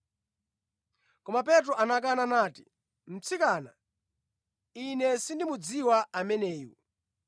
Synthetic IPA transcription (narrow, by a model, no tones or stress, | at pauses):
kɔmap̬ɛt̬ɾɔʔanak̬ananaːti̥ | m̩t͡sʰikaːna̰ | inɛsindimud͡ziwaamɛnɛːjṵ